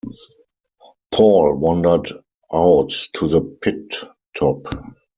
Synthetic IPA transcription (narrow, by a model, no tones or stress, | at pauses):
pʰɔlwɔ̃ndə˞d | ʔaʊttʰuðəpʰɪtʰː | ɔp